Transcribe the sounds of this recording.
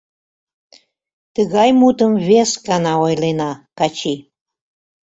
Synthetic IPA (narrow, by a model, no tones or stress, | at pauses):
t̪əɣɑjmut̪əmβeskɑnɑojlenɑkɑt͡ɕi